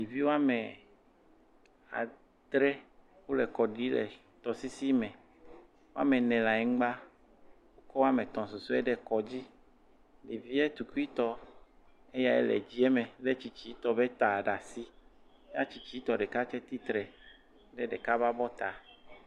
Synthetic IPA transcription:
li˨vi˦wo˦a˦me˨ | a̰˨ | d̪ɾɛ˦ | wo˦lɛ˨kɔ˨ɖi˦lɛ̰˨ | t̪ɔ˨si˦si˦mɛ̃˨ | wo˦a̰˦me˨nɛ̃˨la˨ɛ˨ŋ̩˦ɡ͡ba˦ | wo˦kɔ˦wo˦a˦me˨t̪ɔ̃˨so˨su˦ɛ˦ɖɛ˦kɔ˨d͡ʑi˦ | li˨vi˦ɛ˦t̪u˨ku˦i˦t̪ɔ˦ | e˦ja˦ɛ̰˦lɛ̰˨d͡ʑi˦ɛ˦mɛ̃˨le˦t͡ɕi˨t͡ɕi˦t̪ɔ˦be˦t̪a˨ɖa˨si˦ | e˦a˦t͡ɕi˨t͡ʃi˨˦t̪ɔ˨ɖɛ˨ka˦t͡ʃɛ˦t̪i˦t̪ɾɛ˨ | ɖɛ˦ɖɛ˨ka˦βa˦bɔ˦t̪a˨

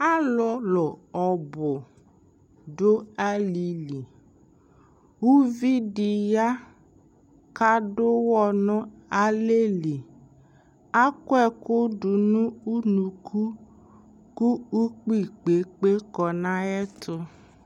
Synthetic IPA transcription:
a˦lɔ˨lʊ˨ɔ˨bʊ˨ | dʊ˦a˦li˨li˨ | wu˦vi˦di˨ja˦ | ka˦dʊ˦wɔ˦nʊ̃˦a˦le˦li˨ | a˦kʊ˦ɛ˦kʊ˦dʊ˨nũ˦u˦nũ˨kʰu˦ | ku˦u˦k͡pi˦˨k͡pe˨k͡pe˦kɔ˨nã˦ɛ˦tʰʊ˦

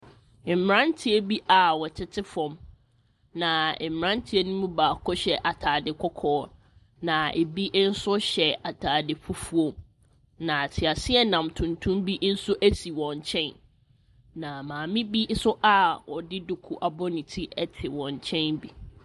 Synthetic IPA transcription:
m̩˨m˨ɾã˦ntʰi˦e˦bi˦ʔa˨wɔ˨t͡ɕʰɪ˦tʰɪ˦fɔ̃˨m | nã˨m˨ɾã˦ntʰi˦e˦nũ˦mũ˦baː˨kʰɔ˦ɕɛ˨ʔa˨tʰaː˨dɪ˨kʰɔ˦kʰɔː˦ | nã˨e˨bi˦ʔn̩˦sʊ˦ɕɛ˨a˨tʰaː˨dɪ˨pʰu˦fu˦o˦ | nã˨tʰɪ˨a˨sɪ˦ɛ˦nã˨mtʰũ˨ntʰũ˦mbi˦ʔn̩˦sʊ˦ʔæ˦si˨wɔ̃˨ɲt͡ɕʰɛ̃˦n | nã˨mãː˨mɪ̃˦bi˦sʊ˦ʔa˦wɔ˨dɪ˦dʊ˨kʰu˨ʔa˨bɔ˦nĩ˨tʰi˦ʔɛ˦tʰɪ˨wɔ̃˨ɲ˨t͡ɕʰɛ̃˦nbi˦

